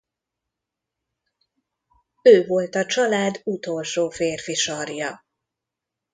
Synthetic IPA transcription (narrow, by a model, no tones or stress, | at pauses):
øːvo̞lt̪ɒt͡ʃɒlaːd̪ut̪o̞lʃoːfeːrfiʃɒrjɒ